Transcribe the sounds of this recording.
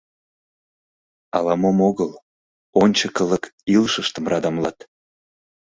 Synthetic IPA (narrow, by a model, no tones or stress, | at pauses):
ɑlɑmomoɣəl | onʲt͡ɕəkələkilʃəʃt̪əmrɑd̪ɑmlɑt̪